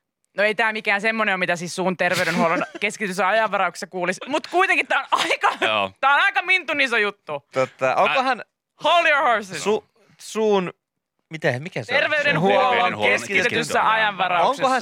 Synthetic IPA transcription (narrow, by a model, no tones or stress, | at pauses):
noeit̪æːmikæːnsemːoneomit̪æsiːssuːnt̪erʋeyɾenhuolonkeskit̪et̪ysːæɑjɑʋʋɑɾɑukse̥sɑkuːlismut̪kuit̪eŋkit̪æːonɑikɑt̪æːonɑikɑmint̪unisojut̪ːut̪ot̪ːɑoŋkohɑn | holioɹhɑɹsisu | suːn | mit̪æmikæst̪erʋeydenhuoloŋkeskit̪et̪ysːæʔɑjɑʋʋɑrɑuoŋksekohɑ